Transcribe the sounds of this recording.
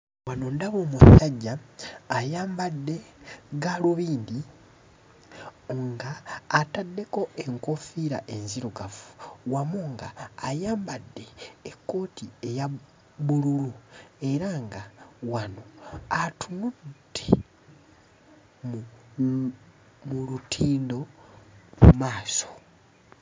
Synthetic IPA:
wano̞ndaβo̞ːmusaɟːaː | jaːmbadːe̞ɡaluβiːndi | ŋɡaːtadːe̞ko̞e̞ŋkofiɾaʔenziɾuɡafu̥wamuːŋɡaːjaːmbadːe̞ːkːo̞ːtʰieja | βululue̞ɾaŋɡawano̞atʰunudːe | m | mulutʰiːndo̞ | mumaːso̞̥

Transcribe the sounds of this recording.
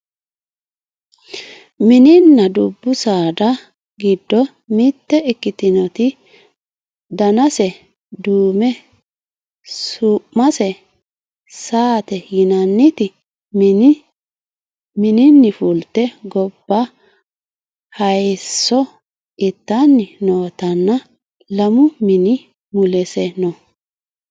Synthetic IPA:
mɪnɪnːɐd̪ʊbːʊsaːd̪ɐ | ɡɪd̪ːɔ | mɪt̪ːɛɪkːɪt̪ɪnɔt̪ɪ | d̪ɐnɐsɛ | d̪uːmɛ | suʔmɐsɛ | saːt̪ɛjɪnɐnːɪt̪ɪ | mɪnɪnːɪfult̪ːɛɡɔb̥ːa | hɐjsːɔ | ɪt̪ːanːɪnoːt̪ɐnːɐ | lɐmʊmɪnɪ | mʊlɛsɛnɔ

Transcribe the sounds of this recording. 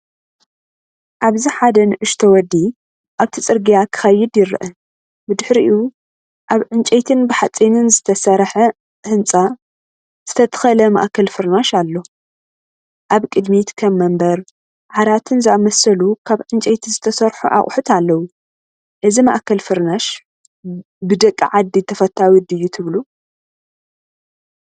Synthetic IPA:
ʔaβziħad̪ɐnɨʔɨʃt̪ʰowɔd̪ːi | ʔaβt̪ʰit͡sʼɨɾɡijakʰɨ̥xɐjːɪd̪jɪɾ̰ʔɐ | bɨd̪ɨħɾiʔɨju | ʔaβʕɨnt͡ʃʼejt̪ʰɨnbɨħat͡sʼinɨnzɨt̪ʰɐsɐɾħɐ | hɨnt͡sʼa | z̥ɨt̪ʰɐt̪ʰɐ̥xɐlɐma̰ʔkʰɐlfɨɾnaʃalːo̞ | ʔaβkʼɨd̪mit̪kʰɐmːɐmbɐɾ | ʕaɾat̪ʰɨnzɨamɐsɐlukʰaβʕɨnt͡ʃʼejt̪ʰizɨt̪ʰɐsɐɾħuʔa̰χʼħut̪ʰalːɐwu | ʔɨzimaʔkʰɐlfɨɾnaʃ | bɨd̪ɐkʼːiʕad̪ːit̪ʰɐfɐt̪ʰːawɨd̪ɨjːut̪ʰɨβlu

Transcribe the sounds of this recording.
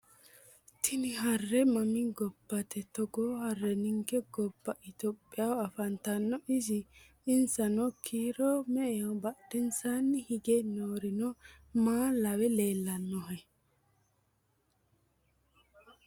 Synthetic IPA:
t̪ʰɪnɪɦɐrːɛmɐmɪɡɔbːɐt̪ɛt̪ɔɡoːhɐrːɛnɪŋɡɛɡɔbːɐʔɪt̪ɔpʼːɪjawɐfɐnt̪ɐnːɔʔɪsɪ | ɪnsɐnɔkʰiːɾɔmɛɛɔbɐd̥ɛnsaːnːɪhɪɡɛnoːɾɪnɔ | maːlɐwɛleːlːɐnːɔɦɐj

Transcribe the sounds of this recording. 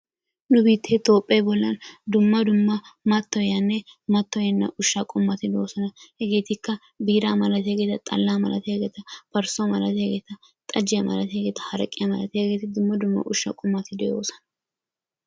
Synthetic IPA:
nʊbiːt̪ʰːet̪o̞ːpʼːɐbɔlːɐnd̪ʊmːɐd̪ʊmːɐmɐt̪ːɔjɐnːɛmɐt̪ːɔjɛnːɐ̰ʔʊʃːakʼʊmːɐt̪ɪd̪oːsɐnɐhɛɡe̞ːt̪ɪkːɐ | biːɾaːmɐlɐt̪eɡeːt̪ɐt̪ʼɐ̰lːaːmɐlɐ̰t̪ɛɡeːt̪ɐpɐɾsɔmɐlɐt̪ɛɡeːt̪ɐ | t̪ʼɐd͡ʒɪjɐmɐ̰lɐt̪eɡeːt̪ɐ̥hɐɾɐkʼːɪjɐmɐlɐt̪hɛɡeːt̪ɪd̪ʊmːɐd̪ʊmːɐ̰ʔʊʃːɐ̰kʼʊmːɐt̪ɪd̪ɛjo̞ːsɐ̥nɐ

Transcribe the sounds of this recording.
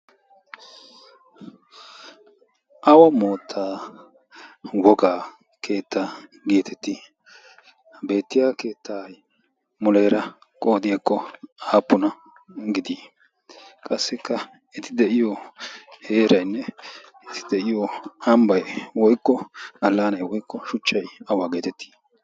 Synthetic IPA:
ʔɐwɐmo̞ːt̪ʰːaː | wɔɡaː | kʰe̞ːt̪ːaː | ɡiːt̪ʰɛt̪ːɪ | be̞ːt̪ːɪjaːke̞ːt̪ʰːaj | mɔleːɾɐ | kʼo̞ːd̪ɪjakːɔaːpːʊnɐ | ɡɪd̪i | kʼɐsːɪkːɐ | ɪt̪ɪd̪ɛʔɪjɔhe̞ːɾɐjnːɛ | ɪt̪ɪ̥d̪ɛʔɪjɔɐmbɐjwɔjkːɔɐlːaːnɐjwɔjkːɔʃʊt͡ʃːɐjɐwaɡeːt̪ɛt̪ːi̥ː

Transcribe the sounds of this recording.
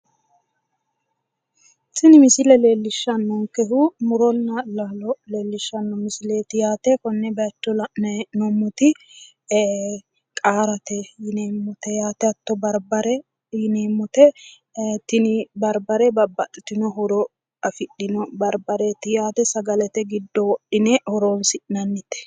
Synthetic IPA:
t̪ɪnɪmɪsɪlɛleːlːɪʃːɐnːɔŋkɛɦʊmʊɾɔnːɐlaːlɔleːlːɪʃːɐnːɔmɪsɪleːt̪ɪjaːt̪ɛkɔnːɛbɛːtːɔnɛnɔmːʊt̪ɪ | kʼaːɾɐt̪ɛjɪneːmːʊt̪ɛjaːt̪ɛɐt̪ːɔbɐɾbɐɾɛ | jɪneːmːʊt̪ɛ | t̪ɪnɪbɐɾbɐɾɛbɐbːɐt̪ʼːɪt̪ɪnɔɦɔɾɔ | ɐfɪɗːɪnɔbɐɾbɐɾɛt̪ɪjaːt̪ɛsɐɡɐlɛt̪ɛɡɪd̪ːɔwɔɗːɪnɛhɔɾoːnsɪʔnɐnːɪt̪ɛ̥

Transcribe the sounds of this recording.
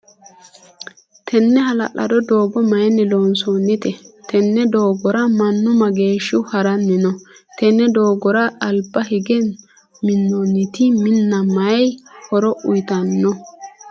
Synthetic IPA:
t̪ʰɛnːɛɦɐlɐ̰ʔɐ̰d̪ɔd̪oːɡɔmɐjɛnɛloːnsonːɪt̪ɛt̪ʰɛnːɛd̪oːɡɔɾɐmɐnːʊmɐɡe̞ːʃːɪhɐɾɐnːɪnɔt̪ɛnːɛd̪oːɡɔɾɐːlbːɐhɪɡɛn | mɪnːɔnːɪt̪ɪmɪnːɐmɐɛjhɔɾɔʔʊjt̪ɐnːɔ

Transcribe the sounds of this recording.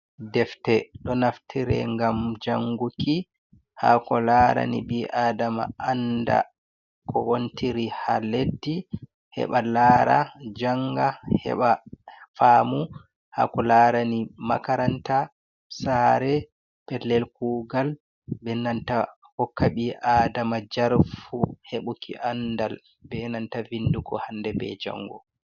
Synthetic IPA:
dɛftɛɗɔnaftʰiɾɛ̰ŋɡamd͡ʒaŋɡuki | ha̰kɔlaɾa̰nḭɓiʔaːdama̰ʔanda̰ | kʰɔwontʰiɾihaledːi | hɛ̰ɓalaːɾa̰d͡ʒaŋɡahɛ̰ɓafaːmu | ha̰kɔlaɾanima̰kaɾanta | saːɾɛ | pɛlːɛlkuːɡal | bɛnanta | hɔkʰːaɓiʔaːdamad͡ʒaɾfuheɓukʰḭʔandal | bɛnantavindukɔhandɛbɛ̰d͡ʒa̰ŋːɡɔ̰

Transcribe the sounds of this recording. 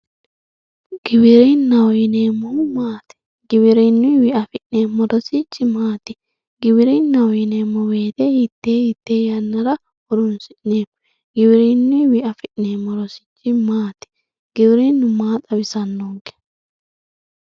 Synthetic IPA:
ɡ̥ɪbɪɾiːnːɐwjɪneːmːɔmaːt̪ɪ̥ | ɡɪbɪɾinːʊwɪʔɐfɪʔneːmːɔɾɔsɪt͡ʃːɪmaːt̪ɪ̥ | ɡɪbɪɾiːnːɐwjɪneːmːɔweːt̪eːhɪt̪ːeːhɪt̪ːeːjɐnːɐɾɐ | ʊɾʊnsɪʔneːm | ɡɪbɪɾiːnːʊwɪʔɐfɪʔneːmːɔɾɔsɪ̥t͡ʃːɪmaːt̪ɪ̥ | ɡ̥ɪbɪɾiːnːʊmaːt̪ʼɐbɪsɐnːɔŋkɛ̥

